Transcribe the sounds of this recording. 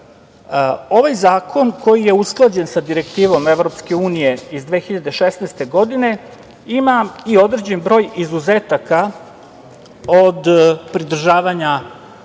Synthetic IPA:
o̞ʋajzaːkʰo̞nko̞jije̞usklˠad͡ʑe̞nsad̪iɾe̞kt̪iːʋo̞meʋɾo̞pske̞uːnije̞izd̪ʋeːxiʎad̪e̞ʃesnaːst̪e̞ɡo̞d̪ine̞ | imaio̞d̪ɾe̞d͡ʑe̞nbɾo̞ːjizuzeːt̪aka | od̪pɾid̪r̩ʒaːʋaɲa

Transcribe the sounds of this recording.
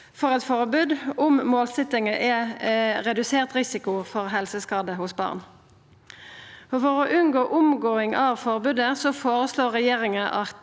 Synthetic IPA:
fɔʁɛt̪fɔʁəbʉd̪ʊmmoːlsɛt̪ɪŋəʔɛʁɛd̪ʉseːʁt̪ʁɪsɪkʊfɔʁɦɛlsəskɑːd̪əhʊsbɑ̰ːʁn | oːfɔʁoːʔʉnɡoːʔʊmɡoːɪŋʔɑʋfɔʁbʉːd̪əsɔfoːʁəsloːʁɛjeːʁɪŋəʔɑ

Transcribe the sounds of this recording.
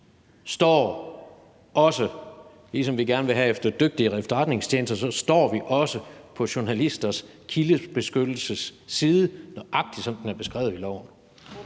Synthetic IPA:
sd̥ɒ̰ː | ɒ̽sə | lisɒ̽mʋiɡ̥æɐnəʋe̝ɦæefd̥ɐd̥øɡ̥̚d̥iəʁefd̥ɒʁad̥ne̝ŋst͡ɕʰeːnsd̥ɐsɒ̽sd̥ɒ̰ːʋiʔɒ̽səpʰɒ̽ɕuɐnælisd̥ɐs | kʰiləb̥e̝sɡ̥ød̥l̩səsːiːðˠənɒʔɑ̈ɡ̥̚d̥id̥sɒ̽n̰d̥enæɐb̥e̝sɡ̥ʁɛ̰ːʊilɒʊ̰n̩

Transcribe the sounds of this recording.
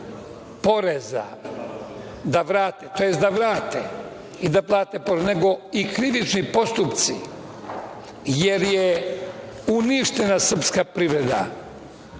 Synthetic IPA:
po̞ɾeza̰ | d̪aʋɾaːt̪et̪oje̞st̪d̪aʋɾaːt̪ḛ | id̪aplˠaːt̪epoɾezne̞ɡo̞ikɾiʋit͡ʃnipo̞st̪upt̪sḭ | je̞ɾje | uniʃt̪e̞nasr̩pskapɾiʋɾe̞d̪a̰

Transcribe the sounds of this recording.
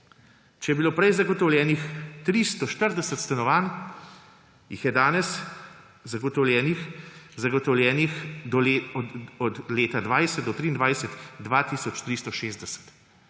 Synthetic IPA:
t͡ʃɛjɛbiloːpɾɛjzaɡɔt̪ɔwljɛːnixt̪ɾist̪ɔʃt̪əɾd̪ɛsət̪st̪anɔʋaːn | jixjɛd̪aːnɛs | zaɡɔt̪ɔwljɛːnixzaɡɔt̪ɔwlʲjɛːnixd̪ɔl | ɔd̪leːt̪ad̪ʋaːjsɛt̪̚d̪ɔt̪ɾiːnd̪ʋajsət̪d̪ʋaːt̪iːsɔt͡ʃt̪ɾist̪ɔʃeːzd̪ɛsə̥t̪

